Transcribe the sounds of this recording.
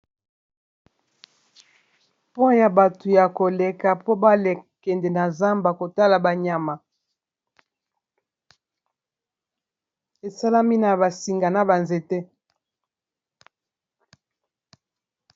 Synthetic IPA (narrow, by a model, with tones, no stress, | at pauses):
po˦ja˨ba˨tu˨ja˨ko˨le˨ka˨po˦ba˦le˨kɛ˨ndɛ˨na˨za˦mba˨ko˨ta˦la˨ba˨ɲa˨ma˨ | e˨sa˦la˦mi˦na˨ba˨si˨ŋɡa˨na˨ba˨nze˨tɛ˦